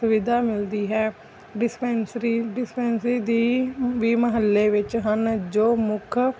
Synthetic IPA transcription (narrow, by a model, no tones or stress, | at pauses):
sʊʋɪd̪aːmɪld̪iːɦɛː | ɖɪspɛnsɾiːɖɪspɛːnsiːd̪iːʋiːməɦəlːeːʋɪt͡ʃɦənd͡ʒoːmʊkʰ